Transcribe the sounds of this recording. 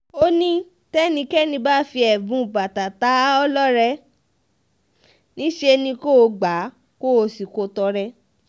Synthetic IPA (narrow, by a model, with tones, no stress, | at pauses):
o˦nĩ˦ | tɛ˦nĩ˧kɛ˦nĩ˧ba˦fi˧ɛ˨bũ˨˧˨ba˨ta˨ta˨˦ɔ˦lɔ˦ɾɛ˧ | nĩ˦ʃe˧nĩ˧ko˦o˧ɡ͡ba˨˦ | ko˦o˧si˨ko˨˧tɔ˧ɾɛ˧